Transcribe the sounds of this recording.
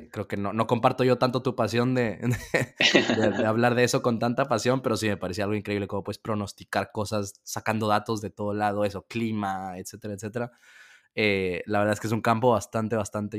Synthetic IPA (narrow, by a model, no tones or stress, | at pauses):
kɾe̞oke̞nono̞ko̞mpaɾt̪o̞ʝo̞t̪ant̪o̞t̪upasjo̞nd̪e̞d̪e | d̪ed̪eaβlaɾðe̞e̞so̞ko̞nt̪ant̪apasjo̞mpe̞ɾo̞sime̞paɾes̬iaalɣo̞iŋkɾe̞iβle̞ko̞mopwespɾo̞no̞st̪ikaɾko̞sasːakand̪o̞ðat̪o̞zðe̞t̪o̞ð̞o̞lað̞o̞e̞so̞klimae̞t̪se̞t̪e̞ɾaet̪set̪e̞ɾa | elaβɾðaekee̞s̬uŋkampo̞βast̪ant̪e̞βast̪ant̪e̞